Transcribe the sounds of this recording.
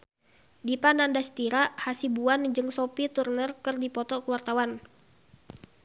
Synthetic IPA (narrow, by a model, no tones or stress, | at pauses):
dipanandast̪iɾahasibuand͡ʒɨŋsopit̪urnərkɨrdipɔt̪ɔkəwart̪awan